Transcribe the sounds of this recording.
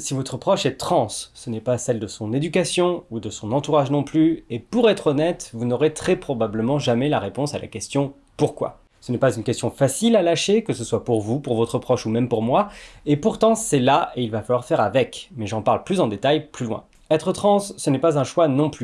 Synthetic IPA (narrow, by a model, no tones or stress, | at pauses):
sivɔt̪χəpχɔʃɛt̪χɑ̃sːənɛpasɛld̪əsɔ̃ned̪ykʲasjɔ̃ud̪əsɔ̃nɑ̃t̪uʁaʒnɔ̃plyepuʁɛt̪χɔnɛt̪vunɔʁet̪χɛpχɔbabləmɑ̃ʒamɛlaʁepɔ̃sala̰kʲɛst̪jɔ̃ | puʁkwa̰ | sənɛpazynkʲɛst̪jɔ̃fasilalaʃekəsəswapuʁvupuʁvɔt̪χəpχɔʃumɛmpuʁmwaepuʁt̪ɑ̃sɛlaʔeilvafalwaʁfɛʁavɛkmɛʒɑ̃paʁlplyzɑ̃d̪et̪ajplylwɛ̰̃ | ɛt̪χət̪χɑ̃sːənɛpazɛ̃ʃwanɔ̃ply